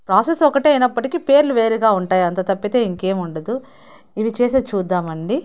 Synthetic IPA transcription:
pɾaːsesɔkɐʈejnɐpːɐʈikipe̞ːɾluʋe̞ːɾiɡaːuɳʈaːjɐnt̪ɐt̪ɐpːit̪e̞ːiŋke̞ːmuɳɖɐd̪u | iʋit͡ʃeːset͡ʃuːd̪ːaːmɐɳɖi

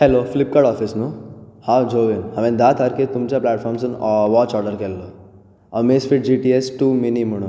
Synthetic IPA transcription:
hɛloflip̚kaɽɔfisnuhãd͡ʒʱoʋinɦɐmẽd̪at̪ʰaɾket̪umt͡ɕjaplɛːʈfʰɔːɾmsənʋɔt͡ʃɔːɾɖəɾkelːo | əmesfiʈ̚d͡ʒiʈiesʈuːminim̤əɽ̃u

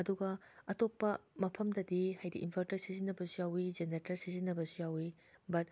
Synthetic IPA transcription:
ɐduɡɐɐtok̚pɐmɐpʰɐmdɐdihajdḭʔinpʰaɾtɐsizinːɐbɐsujawid͡ʒenetɐɾsizinːɐbɐsujawi | bɐt̚

